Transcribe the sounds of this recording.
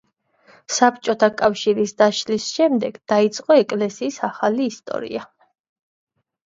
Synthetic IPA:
sapʰt͡ʃʼɔt̪ʰakʼafʃiɾisd̪aʃlisʃɛmd̪ɛɡ̥d̪̥ait̪sʼqʼɔɛkʼlɛsiːsaχaliːst̪ʼɔ̰ɾḭa

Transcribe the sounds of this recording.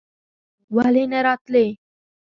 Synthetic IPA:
ʋaleneɾat̪le

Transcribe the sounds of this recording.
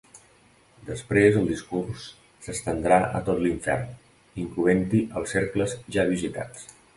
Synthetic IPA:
d̪əspɾezəlˠd̪iskursː | əst̪ənd̪ɾaʔə̰t̪ot̪liɱfɛ̰rn | iŋkluent̪iʔəlˠseɾkləzʒaβizit̪a̰t͡s

